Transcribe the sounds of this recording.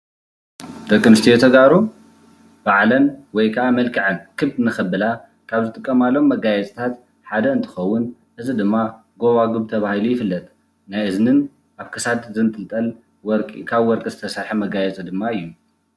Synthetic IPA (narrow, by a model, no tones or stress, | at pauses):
d̪ɐkʼːɨmɨst̪ʰijot̪ʰɐɡaɾu | b̥aʕlɐnwɔjkʰɐʔamɐlkʰɨʕɐnkʰɨβd̪nɨxɐbɨla | kʰaβzɨt̪ʼɨkʼːɐmalːo̞mːɐɡajɛt͡sʼt̪ʰat̪ | ħad̪ɐɨnt̪ʰɨ̥xɐwːʊn | ʔɨzɨd̪ɨmːa | ɡo̞βaɡuβt̪ʰɐβahilujɪfɨlːɐt̪ʼ | najʔɨznɨn | aβkʰɐsad̪zɨnt̪ʰɨlt̪ʼɐl | wɔɾkʼkʰaβwɔɾkʼizɨt̪ʰɐsaɾħɐmɐɡajɛt͡sʼɨd̪ɨmːaɨjːu